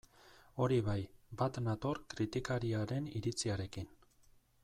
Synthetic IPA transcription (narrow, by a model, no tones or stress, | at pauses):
o̞ɾiβajbat̪nat̪o̞ɾkɾit̪ikaɾiaɾe̞niɾit͡siaɾe̞kin